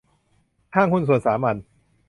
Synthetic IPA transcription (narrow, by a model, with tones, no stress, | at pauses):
hʰaː˥˩ŋkʰu˧ns̬u˨˩ənsaː˩˦ma˧n